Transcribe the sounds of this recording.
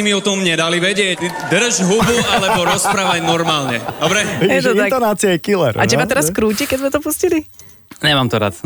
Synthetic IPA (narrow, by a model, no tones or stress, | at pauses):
imiɔt̪ɔmɲɛd̪aliʋɛɟɪɛɟd̪r̩ʒɦubualɛbɔɾɔspɾaːʋaɟnɔɾmaːlɲɛd̪ɔbɾɛɛt̪ɔat̪ɔnat͡siɛkilɛ̰ɾʔa̰t͡ʃɛmat̪ɛɾaskɾuːcɛkɛizmɛt̪ɔpuscili | ɲɛmaːmt̪ɔɾa̰t̪